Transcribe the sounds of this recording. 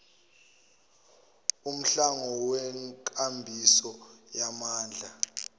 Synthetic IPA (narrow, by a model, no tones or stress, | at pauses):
um̩ɬaŋɔwɛŋkʼambʱisɔjamaːnd͡ɮʱa